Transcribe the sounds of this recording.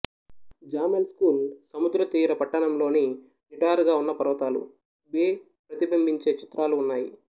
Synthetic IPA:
d͡ʒaːmelskuːlsɐmud̪ɾɐt̪iːɾɐpɐʈːɐɳɐmlo̞ːni | niʈaːɾɡaːunːɐpɐɾʋɐt̪aːlṵ | beː | pɾɐt̪ibɐmbiɲt͡ʃe̞ːt͡ʃi̥t̪ɾaːluːnːaːjḭ

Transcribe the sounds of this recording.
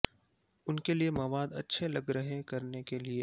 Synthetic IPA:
ʊnkeliemɐʋaːd̪ɐ̰tːʃʰelɐɡɾɐɦẽkɐɾnekelie

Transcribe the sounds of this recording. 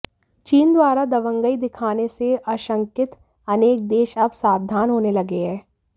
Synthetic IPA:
t͡ʃiːnd̪waːɾad̪ɐʋə̃ŋɡəid̪ɪkʰaːneseʔaʃə̃ŋkɪt̪ | ɐneːk̚d̪eːʃɐbsaːd̪ʱːaːnɦoːnelɐɡeɦɛː

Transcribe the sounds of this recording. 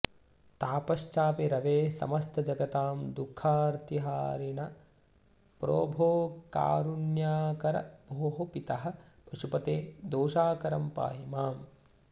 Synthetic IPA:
t̪aːpɐʃt͡ʃaːpeɾɐʋeːsɐ̰mɐst̪ʰɐd͡ʒɐɡɐt̪aːmd̪ukʰːaːɾt̪iɦaːɾiɳɐ | pɾo̰ːbʱoːka̰ːɾunjaːkɐɾɐ̰bʱoːɦɐpit̪ɐɦɐ̆pɐʃupɐt̪eːd̪oːʃaːkɐɾɐmpa̰ːjimaːm

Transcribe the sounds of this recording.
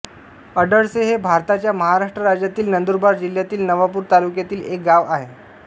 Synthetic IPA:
əɖəɽseɦebʱaɾt̪at͡ɕjaməɦaɾaʂʈɾəɾad͡ʑjat̪iːlnənd̪uɾbaɾd͡ʑil̤jat̪iːlnəʋapuːɾt̪alukjat̪iːlek̚ɡaʋaɦe

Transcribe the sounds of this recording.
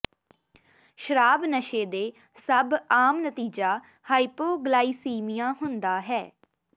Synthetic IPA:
ʃəɾaːbnəʃeːd̪eː | səbaːmnət̪iːd͡ʒaː | haːipoːɡlaːiːsiːmɪjãːɦʊnd̪aːɦɛː

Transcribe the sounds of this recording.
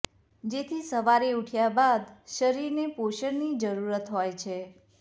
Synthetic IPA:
d͡ʒet̪ʰisəʋaɾeuʈʰjabad̪ʃəɾiɾnepoʃəɾnid͡ʒəɾuɾət̪ɦojt͡ʃʰe

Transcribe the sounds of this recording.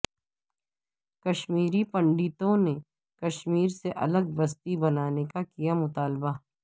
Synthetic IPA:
kɐʃmiːɾipɐ̃ɳɖit̪õne | kɐʃmiːɾseʔɐ̰ləɡ̚bɐst̪ibɐnaːnekakijamʊt̪aːlba

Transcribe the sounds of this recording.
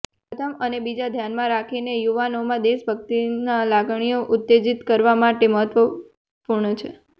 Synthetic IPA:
pət̪ʰəmənebid͡ʒad̪ʱjanmãɾakʰinejuʋanomãd̪eʃbʱək̚t̪inalaɡɳ̃ijoʔʊt̪ːed͡ʒit̪kəɾʋamaʈeməɦət̪ʋə | puɾɳət͡ʃʰḛ

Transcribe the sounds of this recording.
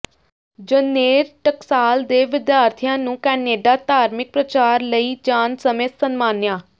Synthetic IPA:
d͡ʒəneːɾʈəksaːld̪eːʋɪd̪jaːɾt̪ʰijãːnũːkɛːneːɖaːt̪aːɾmɪk̚pɾət͡ʃaːɾləiːd͡ʒaːnsəmeːsənmaːnjaː

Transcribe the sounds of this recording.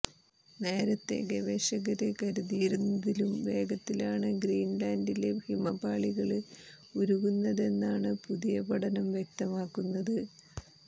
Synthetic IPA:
ne̞ːɾɐt̪ːe̞̰ɡeʋeːɕɐɣɐɾekɐɾuðijɾunːɐðilumʋe̞ːɡɐt̪ːilaːɳɨɡriːnlaːndile̞bʱimɐbaːɭiɣɐɭɨ | uɾuɣunːɐðe̞nːaːɳɨpuðijɐbɐɽɐnɐmʋjek̚t̪ɐmaːkːunːɐðɨ

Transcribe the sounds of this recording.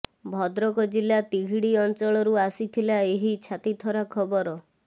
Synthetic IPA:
bʱɔd̪ɾɔkɔd͡ʒilat̪iɡʱiɽiɔnt͡ʃɔɭɔɾuasit̪ʰilaeɦit͡ʃʰat̪it̪ʰɔɾakʰɔbɔɾɔ

